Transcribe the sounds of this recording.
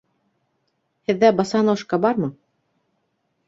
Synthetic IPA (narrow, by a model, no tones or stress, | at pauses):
hɘ̆ðːæbɑsɑnoʃkɑbɑɾmɤ